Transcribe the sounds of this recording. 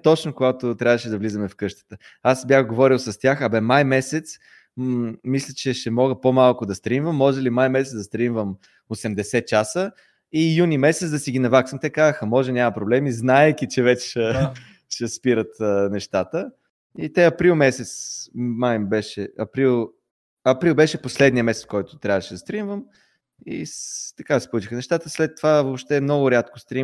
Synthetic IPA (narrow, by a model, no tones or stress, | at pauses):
t̪ɔt͡ʃnʊkʊɡat̪ot̪ɾʲavəʃɛd̪ɐvlizəmɛfkɤʃt̪ə̥t̪ə | asbjaxɡovɔɾilˠsɐst̪ʲjaxɐbɛmajmɛsɛt̪s | mislʲət͡ʃɛʃɛmɔɡəpomalˠkʊd̪ɐst̪ɾimvəmːɔʒɛlimajmɛsɛt̪d̪ɐst̪ɾimvəm | osɛmd̪ɛsɛt̪̚t͡ʃasə | ijunimɛsɛt̪d̪ɐsiɡʲinɐvaksəmt̪ɛkazəxəmɔʒɛnʲamɐpɾoblɛmiznaɛkʲit͡ʃɛvɛt͡ʃɛʃɛ | ʃɛspiɾət̪ːnɛʃt̪at̪ə | it̪ɛɐpɾilˠmɛsɛt̪smajbɛʃɛɐpɾilˠ | ɐpɾilˠbɛʃɛposlɛd̪nijəmɛsɛt̪skɔjt̪ʊ̥t̪ɾʲabvəʃɛd̪ɐst̪ɾimvəm | ḭt̪ɐkasi̥plut͡ʃixənɛʃt̪at̪əslɛt̪ːovavopʃt̪ɛmnɔɡʊɾʲat̪kʊst̪ɾi